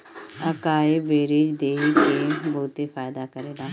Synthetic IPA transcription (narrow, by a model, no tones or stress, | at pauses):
əkaːebeːɾed͡ʒd̪eːiːpeːbʊːt̪eːpʰaːjd̪aːkəɾeːlaː